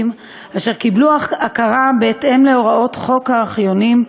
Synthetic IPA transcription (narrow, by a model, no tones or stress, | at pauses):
m | aʃe̞ʁkibluaakaʁabeːtʔe̞mle̞o̞ʁaʔo̞tχo̞khaχjo̞nim